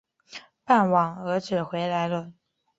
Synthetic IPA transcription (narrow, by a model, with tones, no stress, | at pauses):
pa˥˩nwɑ˨˩ŋɤ˧˥ʈ͡ʂɻ̩˨˩xwe˧˥ɪla˧˥ɪlə˧